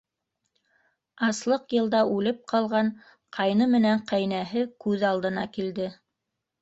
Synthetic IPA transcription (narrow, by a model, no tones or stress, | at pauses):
ɑslˠɤqjɤ̆lˠd̪ɑʔʉlɘp̚qɑlˠʁɑɴ | qʰɑjnɤmɘ̆næɴqæjnæɦɘkʉðɑlˠd̪ɤ̆nɑkild̪ɘ